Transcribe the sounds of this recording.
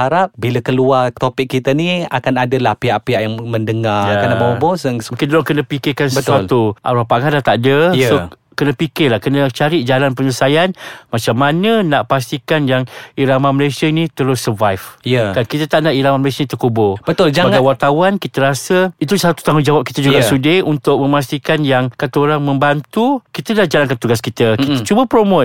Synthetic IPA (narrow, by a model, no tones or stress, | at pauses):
aɾap̚biləkəluart̪opɪkkːit̪ənia̰kanadəlahpiaʔpiaʔjaŋməndəŋajaanabawbɔsəŋsuŋkɪndolokənəpikɪkansəəsat̪uʔa̰ɾapaŋalaht̪adəjso | kənəpikɪlahkənət͡ʃaɾid͡ʒalanpəɲəsajanmat͡ʃamːanənaʔpast̪ikanjaŋiɾamaməlesiənĩt̪əɾʊsəvajfjkankit̪ət̪aʔnaʔiɾamaməlesənit̪ərkubʊbət̪old͡ʒamaŋkawart̪awankit̪əɾasəit̪usat̪u̥t̪aŋʊnd͡ʒawap̚kit̪əd͡ʒuɡasudeunt̪ʊk̚mə̃mas̬t̪ikanjaŋkat̪əoɾaŋmə̃mbant̪ukit̪ədahd͡ʒalankant̪uɡaskit̪əkit̪ət͡ʃubəpɾomot̪̚